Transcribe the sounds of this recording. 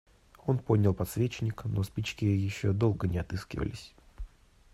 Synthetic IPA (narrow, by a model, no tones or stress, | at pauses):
o̞npo̞dʲnʲəlˠpɐt̪svʲet͡ɕɪnʲɪkno̞spʲit͡ɕkʲɪjɪɕːod̪o̞lˠɡənʲɪɐt̪ɨskʲɪ̰və̰lʲɪ̰sʲ